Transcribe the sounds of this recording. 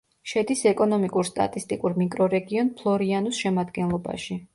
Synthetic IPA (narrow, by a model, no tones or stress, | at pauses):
ʃɛd̪isɛkʼɔnɔmikʼuɾst̪ʼa̰t̪ʼist̪ʼikʼuɾmikʼɾɔɾɛɡiɔnpʰlˠɔɾianusʃɛmad̪ɡɛnlˠɔba̰ʃi